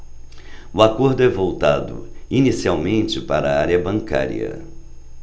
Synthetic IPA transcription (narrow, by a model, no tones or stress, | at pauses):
ʊakoɾd̪ʊɛvowt̪ad̪ʊ̰inisiawmẽnt͡ʃɪpaɾɐaɾiɐbɐ̃ŋka̰ɾḭɐ̰